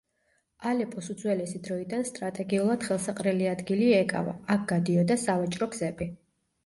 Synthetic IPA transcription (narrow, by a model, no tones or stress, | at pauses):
alɛpʼɔsud̪zwɛlɛsid̪ɾɔid̪anst̪ʼɾat̪ʼɛɡiulˠad̪̥χɛlˠsaqʼɾɛliad̪ɡiliɛkʼa̰va̰ːk̚ʰɡ̥ad̪iɔd̪asavat͡ʃʼɾɔɡzɛbi